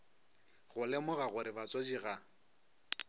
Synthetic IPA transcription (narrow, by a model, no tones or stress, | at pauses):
ɣʊlɛmʊɣaɣʊɾɪbat͡sʼɔd͡ʒiɣa